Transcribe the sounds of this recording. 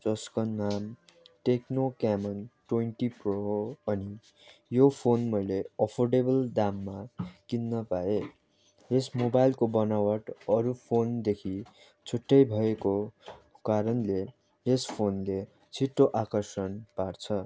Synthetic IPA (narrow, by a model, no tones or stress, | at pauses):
d͡zʌskʌnːamʈeknokamʌnʈwenʈiproʌni | jopʰonmʌjleʌpʰorɖebʌld̪amːakinːʌpae | esmobajlkobʌnawʌʈʌɾupʰond̪ekʰi | t͡sʰuʈːʌjbʱʌeko | kaɾʌnle | espʰonle | t͡sʰiʈːoʔakʌrsʌnpart͡sʰʌ